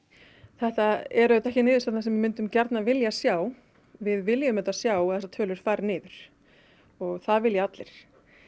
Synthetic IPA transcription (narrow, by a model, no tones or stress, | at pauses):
θɛht̪aɛɾœt̪ɛhcɪnɪːðʏɾst̪at̪nasɛmvɪmʏnt̪ʏmcɛɾt̪navɪljasjaːw | vɪðvɪljʏmɛt̪asjaːwɛsat̪ʰœːlʏɾ̥faːɾnɪːðʏɾ̥ | ɔɣθaðvɪljaat̪lɪɾ̥